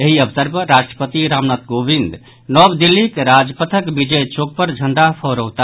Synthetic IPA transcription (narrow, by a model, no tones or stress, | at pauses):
eɦiəbsəɾpəɾaʃʈɾəpət̪iɾamnat̪̚ɡobind̪ | nɔbd̪ilːikɾad͡ʒpət̪ʰəkbid͡ʒəjt͡ʃok̚pəɾd͡ʒʱəɳɖapʰɔɾowt̪a